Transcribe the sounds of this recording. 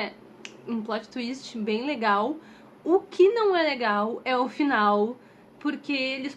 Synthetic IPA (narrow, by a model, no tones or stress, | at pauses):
ɛ | ũplɔt͡ʃɪ̥t̪uist͡ʃɪbẽj̃leɡaw | ʊkʰɪnɐ̃w̃ɛleɡawɛʊfinaw | poɾkeelɪs